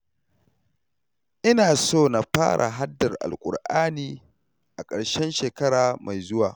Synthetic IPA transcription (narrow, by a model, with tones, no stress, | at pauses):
ʔɪ˦naː˨soː˦˨na˨ɸaː˦ɽʔa̰˨ɦa˦dːɐ˨rʔa̰˨lkʷʼʊ̰˨rʔaː˦niː˨ | ʔa˨kʼɐ˨ɽʃɛ˦nʃeː˨kɐ˦ɽaː˨ma˨jzʊ˦waː˨